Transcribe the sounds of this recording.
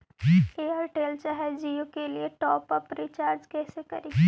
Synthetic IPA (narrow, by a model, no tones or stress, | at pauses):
d͡ʒieːɦəɾʈeːlt͡ʃaːɦɛd͡ʒijukelieʈɔːpəpɾiːt͡ʃaːɾd͡ʒkɛːsekɐ̰ɾiː